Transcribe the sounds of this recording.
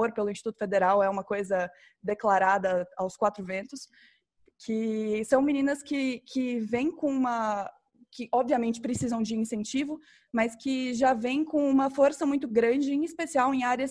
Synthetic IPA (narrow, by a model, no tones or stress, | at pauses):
oɾpelʊĩsʃt͡ʃi̥t̪ut̪ʊ̥fed̪eɾawɛũmɐkojzɐ | d̪eklaɾad̪ɐawskwat̪ɾʊvẽnt̪ʊs | kʰɪsɐ̃w̃minĩnɐskɪkʰɪvẽj̃kõũmɐ | kɪʔɔbviɐmẽnt͡ʃɪ̥pɾɪsizɐ̃w̃d͡ʒɪĩsẽnt͡ʃivʊ | mɐskɪʒavẽj̃kõũmɐfoɾsɐmũj̃t̪ʊɡɾɐ̃d͡ʒɪĩispesiawẽj̃aɾjɐs